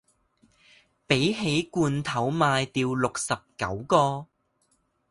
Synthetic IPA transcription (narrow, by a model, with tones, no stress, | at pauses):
pe˨˥jɦe˨˥jkuː˧nt̪ʰɐ˨˥wmaː˧jt̪iː˧wlʊ˨k̚sɐ˨p̚kɐ̰˨˥wkɔː˧